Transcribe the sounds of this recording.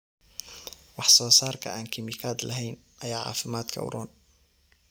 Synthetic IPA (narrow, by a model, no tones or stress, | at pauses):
wɑħsɔːsaːɾˤkʰɐ̰ʔaːnkʰɪmikʰaːd̪laɦɛjnʔɐjaːʕa̰ːfɪmaːt̪kʰɐ̰w̰ɾɔːn